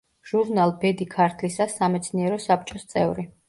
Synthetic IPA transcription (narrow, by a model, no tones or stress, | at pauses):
ʒ̥uɾnalˠbɛd̪ikʰaɾt̪ʰlisasamɛt̪sʰniɛɾɔsap̚ʰt͡ʃʼɔst̪sʼɛ̰vɾi